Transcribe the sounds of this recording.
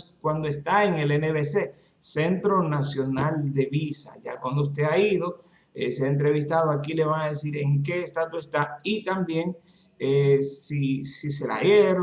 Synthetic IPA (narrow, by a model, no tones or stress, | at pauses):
kwand̪oest̪aeŋe̞leneβese̞ | sent̪ɾo̞nasjo̞nald̪e̞βisa̰ʝakwand̪oust̪e̞aiðo̞ | ḛseaent̪ɾe̞β̞ist̪aðoakile̞βaŋaðe̞siɾe̞ŋk̬e̞ːst̪at̪woest̪ait̪ambje̞ŋ | esisise̞la̰eɾ